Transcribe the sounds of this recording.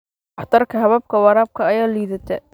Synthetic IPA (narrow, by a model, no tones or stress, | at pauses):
ʔɑħt̪ʰɐrkʰɐɦɐβɐb̚kʰɐwɑɾaːb̚kʰɐːjaːliːðɐt̪ʰɛ